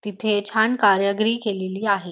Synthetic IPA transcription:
t̪it̪ʰet͡ɕʰankaɾjəɡɾiːkeleliːaɦe

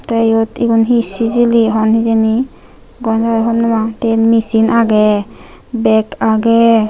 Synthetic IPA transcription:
t̪ejɔt̪ikunɦisiziliɦɔnɦizeni | ɡɔnzaɾɛɦɔnːɔmatenmisinaɡɛ | bɛkaɡɛ

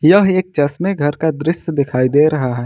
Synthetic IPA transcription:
jɐɦeːk̚t͡ʃɐsmẽɡʱɐɾkad̪ɾɪʃd̪ɪkʰaːid̪eɾɐɦaɦɛː

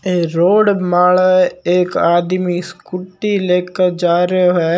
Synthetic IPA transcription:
eːɾoːɖmaːleːkaːd̪miskʊʈːileːkəɾd͡ʒaːɾoɦɛː

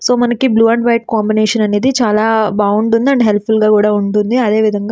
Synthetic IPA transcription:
so̞ːmɐnɐkibluːɐɳɖʋɐjʈ̚kaːmbineːʂɐnɐne̞ːd̪it͡ʃaːlaːbaːuɳɖund̪iɐɳɖɦelpfulɡaːkuːɽaːuɳʈund̪iɐd̪e̞ːʋid̪ʱɐŋɡaː

